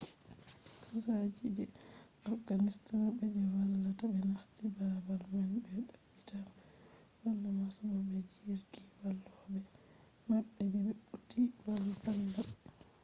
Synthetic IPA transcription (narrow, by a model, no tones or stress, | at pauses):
sɔsad͡ʒid͡ʒɛ | ʔɔɡanistabɛdɛwalːatabɛnastibabalmanbɛɗaɓːita | walːamasumabɛd͡ʒiɾɡiwalːɔbɛ | maɓːɛdɛbɛɓutːiwalfalːa